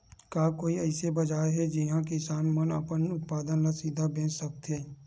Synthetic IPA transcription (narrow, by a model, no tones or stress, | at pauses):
kaːkoːiɛɪsebɐd͡ʒaːɦɛd͡ʒɪɦãkɪsaːnmənəpənʊt̪̚paːd̪ənlasiːd̪ʱabẽːt͡ʃsɐk̚t̪ɦɛː